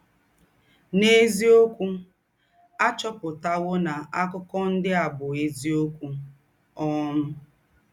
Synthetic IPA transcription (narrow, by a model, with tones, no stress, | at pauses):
ne˦zi˦o˦kʷu˦ | a˦t͡ʃɔ˦pʊ˨ta˦wo˦na˨ʔa˦kʊ˦kɔ˦n̩˦dɪ˦a˨bʊ˨e˦zi˦o˦kʷu˦ | ɔ˦mʊ˦